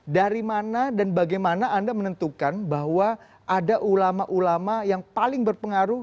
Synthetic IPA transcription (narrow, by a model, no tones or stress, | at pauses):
daɾimanadanbaɡajmanaʔːndamənənt̪ukanbaɦwa | ʔadaʔulamaʔulamajaŋpalɪŋbərpəŋaɾu